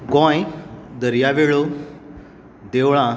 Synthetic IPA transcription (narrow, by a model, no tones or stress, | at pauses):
ɡɔ̃jd̪əɾjaʋeɭo | d̪eʋɭ̃ã